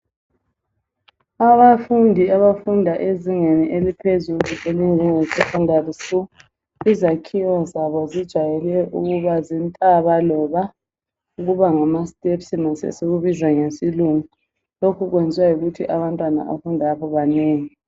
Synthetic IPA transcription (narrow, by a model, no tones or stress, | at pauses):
aβafundʱiaβafundʱaʔeziŋeniʔelipʰezuluʔelind͡ʒʱɛŋesifundʱarisu | izakʰiwɔzaβɔzid̥ʒ̥ʱajɛlɛʔṵɣuβazintʼaβalɔβa | uɣuβaŋamastʼepsinasḛseɣuβizwaŋesiluŋu | lokʰuɣwend͡zʱiwajuɣutʰiʔaβantʼwana̰ʔa̰fundʱaaβɔβaneːŋi